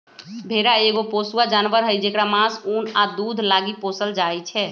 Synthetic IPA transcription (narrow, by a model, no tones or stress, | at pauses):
bʱeɾaeɡoposuad͡ʒanʋəɾɦəjd͡ʒekɾamãsunad̪ud̪ʱlaɡiposəld͡ʒajt͡ʃʰɛ